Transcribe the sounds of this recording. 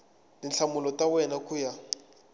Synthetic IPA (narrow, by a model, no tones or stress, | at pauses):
dinɬʰamʊlɔtʼawɛnakʼuja